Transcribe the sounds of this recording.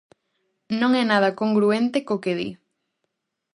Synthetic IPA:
nõŋɛnað̞ɐkoŋɡɾuent̪ekokeðḭ

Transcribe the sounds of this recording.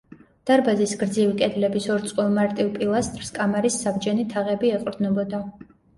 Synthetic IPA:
d̪̥aɾbazisɡɾd̪zivikʼɛd̪lɛbisɔɾt̪sʼqʼwɔlˠmaɾt̪ʼivpʼilˠast̪ʼɾskʼamaɾisːabd͡ʒɛnit̪ʰaʁɛbiɛqʼɾd̪nɔbɔd̪a

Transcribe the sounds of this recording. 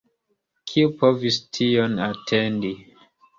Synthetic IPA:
kʰiupovistʰionatʰendi

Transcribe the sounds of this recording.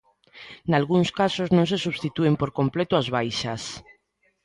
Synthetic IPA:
nalɣuŋskasoznõŋsesuβst̪it̪uempoɾkomplet̪oazβajʃas

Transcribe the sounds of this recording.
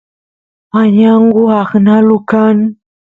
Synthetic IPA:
aɲaŋɡuaknalukan

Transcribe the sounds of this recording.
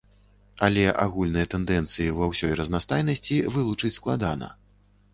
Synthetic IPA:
alʲɛʔa̰ɣulʲnɨjɐt̪ɛnd̪ɛnt̪sɨjivɐwsʲɔjrɐznast̪ajnɐsʲt͡sʲivɨlˠut͡ʂɨt͡sʲsklˠad̪anɐ̰

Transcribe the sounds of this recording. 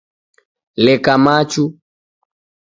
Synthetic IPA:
lɛkamat͡ʃu

